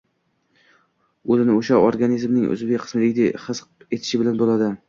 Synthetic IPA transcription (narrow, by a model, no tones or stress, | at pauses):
ɵzɪnɪoʃaoɾɡanizmnɪŋʔʊ̰zbekʲqʰɨ̥smɪd̪eɡʲɪd̪eχɨsqe̞t̪ʰɪ̥ʃɪbɪlanbolad̪ɪ